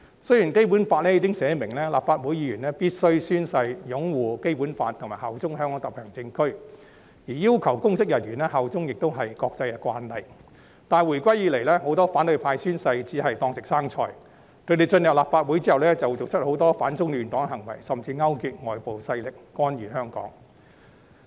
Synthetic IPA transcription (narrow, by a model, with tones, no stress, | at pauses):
sɵ˥jiː˨˩nke˥jp̬u˨˥nfaː˧t̚lɛ˥i˨˧kɪ˥ŋsɛː˨˧mɪ˨˩ŋlɛː˥laː˨p̚faː˧t̚wuː˨˥jiː˧jyː˨˩nlɛː˥piː˥t̚sɵ˥ɥsyː˥nsɐ˧jjʊ˨˥ŋwuː˨ke˥jpuː˨˥nfaː˧t̪ʰʊ˨˩ŋmaː˨˩ɦɐ˨wt͡sʊ˥ŋɦœː˥ŋkʰɔ˨˥t̪ɐ˨˩pʰɛː˨˩ŋt͡sɪ˧ŋkʰɵ˥ɥ | jiː˨˩jiː˥wkʰɐ˨˩wkʊ˥ŋsɪ˥k̚jɐ˨˩njyː˨˩nɛː˥ɦɐ˨˩wt͡sʊ˥ŋjɪ˨k̚t̪o˥wɦɐ˨jkɔː˧k̚t͡sɐ˧jkɛ˧kʷwa̰ː˧nhɐ˨j | t̪aː˨˩nwu˨˩jkʷɐ˥jːiː˨˧le˨˩jlɛː˥ɦo˨˥wt̪ɔː˥faː˨˥nt̪ɵ˨˧ɥpʰaː˧jsyː˥nsɐ˧jt͡siː˨˥ɦɐ˨jt̪ɔː˧ŋsɪ˨k̚saː˥ŋt͡ʃʰɔː˧j | kʰɵ˨˧ɥt̪e˨jt͡sɵ˧njɐ˨p̚laː˨˩pfaː˧t̚wu˨˥jt͡siː˥hɐ˨wlɛː˥t͡sɐ˨wt͡so˨k̚t͡ʃʰɵ˥t̚ho˨˥wt̪ɔː˥faː˨˥nt͡sʊ˥ŋlyː˨nt̪ɔː˨˥ŋɦɐ˨˩ŋwɐ̰˨˩jsɐ˨mt͡siː˧ŋɐ˥wkyː˨˧t̚ŋɔː˨jpo˨wsɐ˧jlɪ˨k̚ːɔː˥njyː˨˩ɦœː˥ŋkɔ̰ː˨˥ŋ